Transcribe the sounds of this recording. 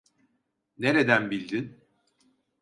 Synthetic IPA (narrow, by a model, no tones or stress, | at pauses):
neɾe̞d̪ænbilʲd̪in